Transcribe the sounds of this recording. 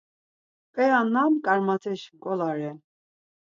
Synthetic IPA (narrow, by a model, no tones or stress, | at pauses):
kʼɛjanːamkʼaɾmat̪ʰɛʃkʼɔlaɾɛ